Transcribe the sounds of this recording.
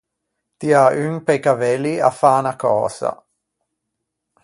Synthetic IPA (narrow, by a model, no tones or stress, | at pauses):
t̪iayŋpejkavɛlia̰faːnakɔ̰ːza̰